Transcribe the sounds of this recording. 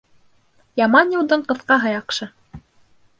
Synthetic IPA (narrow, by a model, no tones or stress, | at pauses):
jɑmɑnjɤ̆w̪ˠd̪ɤɴqɤ̆θqɑɦɤ̆jɑqʃɤ